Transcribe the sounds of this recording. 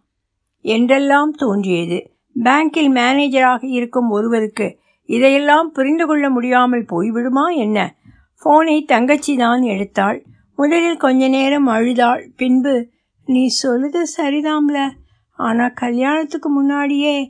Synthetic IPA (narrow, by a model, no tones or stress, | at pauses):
ɛndrɛlːaːmt̪oːndrɪjɐðɯ | baːŋkɪlmaːneːd͡ʒɐɾaːɣɐjɪɾɯkːɯmɔɾɯʋɐɾɯkːɯ | ɪðɐjɛlːaːmpʊɾɪnd̪ɯkɔɭːɐmʊɽɪjaːmɐlpoːjʋɪɽɯmaːɛnːɐ | foːnɐɪt̪ɐŋɡɐt͡ʃːiðaːnɛɽɯt̪ːaːɭ | mʊðɐlɪlkɔɲd͡ʒɐneːɾɐmɐɻɯðaːɭpɪnbɯ | nĩːsɔlːɯðɐsɐɾɪðaːmlɐ | aːnaːkɐljaːnɐt̪ːɯkːɯmʊnːaːɽɪjeː